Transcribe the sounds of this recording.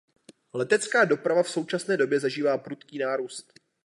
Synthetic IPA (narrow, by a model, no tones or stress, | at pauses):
lɛt̪ɛt͡skaːdo̞pɾavafso̞wt͡ʃasnɛːdo̞bjɛzaʒiːvaːpɾut̪kiːnaːɾuːst̪